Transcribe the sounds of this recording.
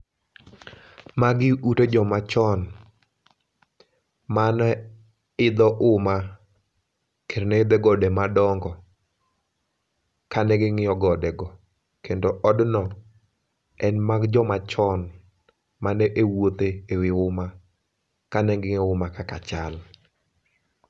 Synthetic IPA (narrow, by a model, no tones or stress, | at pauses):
maɡɪuted͡ʒɔmat͡ʃɔn | man | ɪd̪ɔʔʊma | keɾnɛɪd̪ɛɡɔdɛmadɔŋɡɔ | kanɛɡɪŋɪɔɡɔdɛɡɔ | kendoʔɔdnɔ | ɛnmaɡd͡ʒɔmat͡ʃɔn | manɛʔewot̪eːwɪʊma | kanɛɡɪŋɔʊmakakat͡ʃal